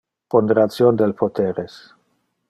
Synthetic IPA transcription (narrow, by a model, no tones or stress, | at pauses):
pond̪eɾat͡sjond̪elpʰot̪eɾes